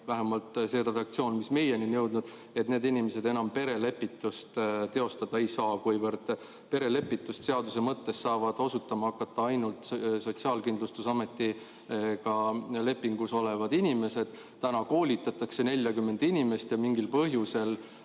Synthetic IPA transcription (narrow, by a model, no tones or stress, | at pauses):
væɦemɑlt̪se̞ɾe̞d̪ɑk̚t̪sio̞ːnmisme̞jeninjɤwd̪nud̪ | et̪ne̞ːd̪inimese̞d̪enɑmpe̞ɾe̞le̞pːˑit̪ːˑust̪t̪e̞o̞st̪ɑd̪̥ɑe̞jsɑːkujvɤrd̪̥ | pe̞ɾe̞le̞pːˑit̪ːˑust̪seɑd̪use̞mɤt̪ːe̞ssɑːvɑd̪̥o̞sut̪ːˑɑmɑɑkːˑɑt̪ːˑɑɑjnult̪sot̪siɑːlkind̪lust̪usɑme̞t̪ːi | kɑle̞pːˑiŋɡ̥uso̞le̞vɑd̪inʲime̞se̞d̪̥ | t̪ænɑko̞ːlʲit̪ːˑɑt̪ːˑɑkse̞nelʲjɑkymːe̞nd̪inʲime̞st̪jɑmiŋɡilpɤɦjuse̞l